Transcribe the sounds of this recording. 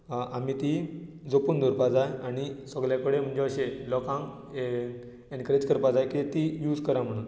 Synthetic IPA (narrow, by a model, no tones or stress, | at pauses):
ʔamit̪i | d͡zopuːnd̪ʱuɾpad͡zajaɽ̃isəɡɭjakəɽem̤əɳd͡ʑeəɕelɔkãŋ | enkəɾed͡ʑkəɾpad͡zajket̪ijuːd͡zkəɾam̤əɽ̃uːn